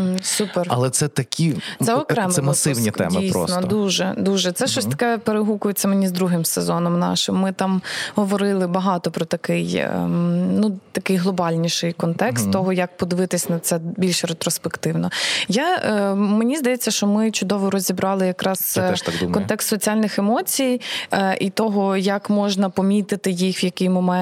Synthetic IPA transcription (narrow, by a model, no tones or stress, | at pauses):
superɐ̰lˠɛt̪sɛt̪ɐkʲʰit̪sɛɔkɾɛmɛmɐsɪwnʲiɛ̰mdijɾɔ̰snɔd̪uʒɛ̰d̪uʒɛt̪sɛʃt͡ʃɔsʲt̪ɐ̥kɛpeɾeɦukʊjʊt͡sʲːɐmenʲizd̪ɾuɦɪmsezɔnɔmnɑ̰ʃɪmːɪt̪ɑmɦɔʋɔɾɪlˠɪbɐɦɑt̪ɔpɾɔt̪ɐkɪj̰ | nut̪ɐkɪjɦlˠɔbɑlʲnʲiʃɪjkɔnt̪ɛkst̪ːɔɦɔjɐk̚pɔd̪ɪʋɪt̪ɪsʲnɐt̪sɛbʲilʲʃɾet̪ɾɔspekt̪ɪwnɔjamenʲizd̪ɐjet͡sʲːɐʃt͡ʃɔmɪt͡ʃʊd̪ɔʋʊɾɔzʲibɾɑlˠɪjɐkɾɑst̪kɔnt̪ɛkst̪sɔt͡sʲialʲnɪxemɔt͡sʲijʔit̪ɔɦɔjɐkmɔʒnɐpɔmʲit̪ɪt̪ɪjixʋjɐkɪjmɔmɛ